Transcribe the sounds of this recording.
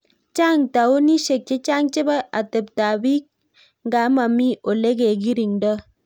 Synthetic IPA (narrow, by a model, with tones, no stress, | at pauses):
t͡ʃa˦˨ŋta˨o˦ni˦ʃe˨k̚t͡ʃe˦t͡ʃa˦ŋt͡ʃe˦ba˦ʔa˨tə˨p̚ta˨bi˦k̚ | ŋ̩˦ɡa˨˦ma˨mi˦o˨le˦ɡe˨ɡi˦ɾi˨ŋdə˦